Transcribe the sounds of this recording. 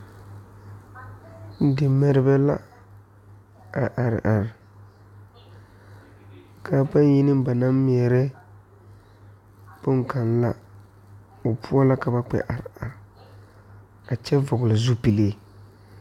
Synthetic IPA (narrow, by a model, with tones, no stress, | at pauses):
dɪ˨mɛ˦ɾɪ˦bɛ˦la̰˦ | a˨ʔa˨ɾɪ̰˨ʔa˨ɾɪ˨ | kaː˨˦pa˦n˦ji˦nɪ˦m˦ba˨na˦m˦mi˨ɛ˨ɾɛ˦ | pʊ˦ŋka˨nla˦ | o˨pʰu˦a˦la˦ka˨ba˦k͡pɛ̰˦˨ʔa˨ɾɪ˨a˨ɾ | a˨t͡ʃɛ˦vʊ˨ɡʊ˨la˨zu˦pi˨leː˦